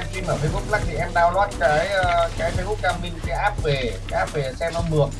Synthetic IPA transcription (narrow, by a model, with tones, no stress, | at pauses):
ti˧mʔəː˧˩mə˧˦jmo˦˥t̚la˦˥k̚tʰi˧˩ʔɛ˦˥m̚ɗaː˧wlwaː˦˥t̚kaː˨˦jə˧kaː˨˦jfa˧jʔu˦˥k̚kaː˧mmï˧ŋkaː˨˦jʔaː˦˥p̚ve˨˩ka˨˦jʔaː˦˥p̚ve˨˩sɛ˧mɔ˧˩nmɨ˨˩əŋ̚